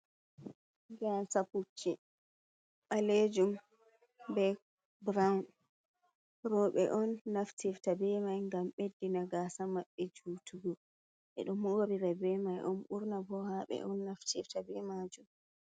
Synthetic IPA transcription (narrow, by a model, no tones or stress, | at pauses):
ɡasaput͡ʃːi | ɓaled͡ʒum | bɛ | bɾawn | ɾɔɓɛ̰ʔɔnːaftiftabɛmajŋɡamɓedːinaɡaːsamaɓːɛd͡ʒuːtʰuɡɔ | ɓɛ̰ɗɔmoːɾiɾɛbɛmajʔɔnɓuɾnabɔhaɓɛ̰ʔɔnːaftʰiftabɛmaːd͡ʒum